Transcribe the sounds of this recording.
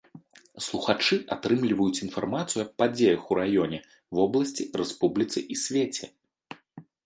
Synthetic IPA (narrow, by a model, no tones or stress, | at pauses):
slˠuxat͡ʂɨʔat̪ɾɨmlʲivɐjut͡sʲinfarmat̪sɨjuɐppad͡zʲejɐxuɾajɔnʲɛ | vɔblˠɐsʲt͡sʲirɛspublʲit̪sɨʔisʲvʲet͡sʲɛ